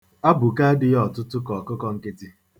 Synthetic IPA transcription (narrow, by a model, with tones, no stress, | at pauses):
a˦bʊ˨ka˦dɪ˦jɔ˨tʊ˦tʊ˦kɔ˨kʊ˦kɔ˦ŋ̩˦kɪ˦ti˦